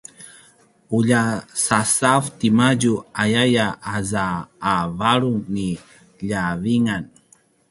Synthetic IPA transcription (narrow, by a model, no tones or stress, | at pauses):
uʎasasaft̪imaɟuajajaʔazaːvaɾuŋni | ʎaviŋan